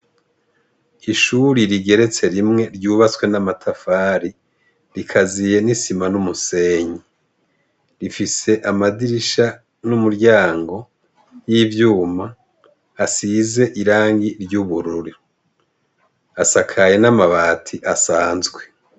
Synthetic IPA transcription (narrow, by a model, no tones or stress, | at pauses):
iʃuɾiɾiɡe̞ɾe̞t͡se̞ɾimŋe̞ɾɟuːβat͡skwe̞namatʰafaːɾi | ɾikʰazije̞nisimanumuseɲi | ɾifise̞ʔamadiɾiʃa | numuɾɟaːŋɡo̞ | jivjuːmaː | size̞ʔiɾaːŋɡiɾɟuβuɾuɾi | asakʰaje̞namaβaːtʰiʔasaːnzɡwe̞